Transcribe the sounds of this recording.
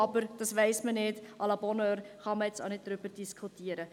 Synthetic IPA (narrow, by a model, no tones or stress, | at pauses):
ɑbəɾd̥ɑsʋɛɪsmənɪdʔɑlɑbɔnøːɾχɑməɛt͡so̰ʊnɪt̚d̥ɾyb̥əɾd̥iskχutiəɾə